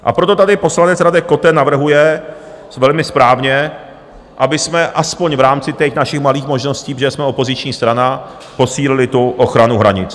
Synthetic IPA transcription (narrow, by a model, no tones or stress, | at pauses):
ʔa̰pɾo̞t̪o̞t̪adɪpo̞slanɛt͡sɾadɛko̞t̪ɛnavr̩ɦujɛ | vɛlmɪspɾaːvɲɛ | ʔabɪsmɛʔaspoɲvɾaːmt͡sɪt̪ɛxnaʃɪxmaliːxmo̞ʒno̞sciːpʒɛsmɛopo̞zɪt͡ʃɲiːst̪ɾana | po̞siːlɪlɪt̪uʔoxɾanuɦɾa̰ɲɪt͡s